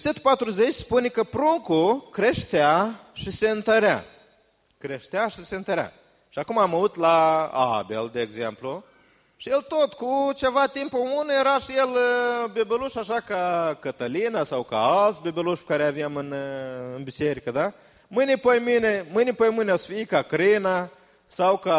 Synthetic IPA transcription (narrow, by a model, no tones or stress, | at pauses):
set̪u̥pat̪ɾuze̞t͡ʃʲspunʲekəpɾuŋkukɾeʃt̪eaʃise̞ɨnt̪əɾea̰ | kɾe̞ʃt̪eaʃise̞ɨnt̪əɾʲea̰ | ʃiakumaːmaut̪laa̰be̞̰ld̪eːɡze̞mplu | ʃije̞lt̪ot̪kut͡ʃe̞vat̪impomunejeɾaʃijelbebʲeluʃaʃakakət̪əlinasawka̰alt̪sʲbebʲeluʃpe̥kaɾeaveamɨnɨnbit͡ʃeɾikəd̪a | mɨnʲipəjminemɨnʲipəjmɨnʲeosfiikakɾina | sawka